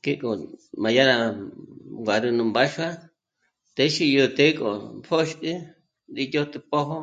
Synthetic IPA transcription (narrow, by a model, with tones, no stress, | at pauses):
ke˦kʼo˨mã˧ja˦nã˧ | ŋɡʷa˨ɾu˧nũ˧mba˦ʃa˦ | t̪e˧˦ʃi˧jo˧t̪e˦kʼo̰˨pʰo˦ʃti˦ | nd̪i˧t̪ʲo˦t̪ɨ˧po˦ɦo˦